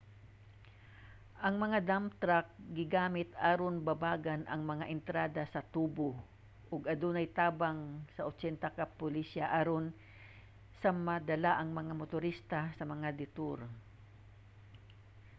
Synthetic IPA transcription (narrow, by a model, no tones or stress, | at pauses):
ʔɐŋmɐŋad̪amt̪ɾak̚ɡɪɡaːmɪt̪aɾonbɐbaːɡanʔɐ̰ŋmɐŋaʔɪnt̪ɾaːd̪asɐt̪uːbo | ʔʊɡɐd̪unɐjt̪aːbaŋsɐʔot͡ʃɛnt̪akapʊlisaʔaɾon | sɐmɐd̪ɐlaʔɐŋmɐŋamʊt̪ʊɾist̪asɐmɐŋad̪ɪt̪oɾ